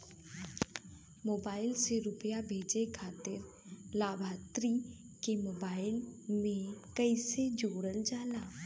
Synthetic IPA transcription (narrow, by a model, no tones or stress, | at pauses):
moːbaːɪlseɾʊpəjabʱeːd͡ʒekʰaːt̪ɪɾ | laːbʱaːt̪ɾi | kemoːbaːɪlmẽkəised͡ʒoːɽəld͡ʒaːlaː